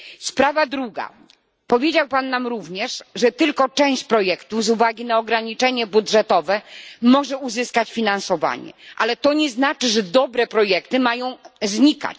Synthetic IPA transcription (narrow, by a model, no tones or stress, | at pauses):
spɾavad̪ɾuɡa̰ | pɔvʲjed͡ʑawpanːamɾuvɲɛʂʐɛt̪ɘlkɔt͡ʂɛ̃w̃ɕt͡ɕpɾɔjɛkt̪uzuvaɡʲinaɔɡɾaɲit͡ʂɛɲɛbudʐɛt̪ɔvɛmɔʐɛuzɘskat͡ɕfʲinansɔva̰ɲɛ̰ʔalɛt̪ɔɲɛznat͡ʂɘʐɛd̪ɔbɾɛpɾɔjɛkt̪ɘmajɔ̃w̃zɲika̰t͡ɕ